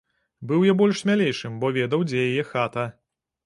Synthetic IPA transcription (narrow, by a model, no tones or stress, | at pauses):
bɨwjabɔlʲʂsʲmʲalʲejʂɨmbɔvʲɛd̪ɐwd͡zʲɛjajɛxat̪ɐ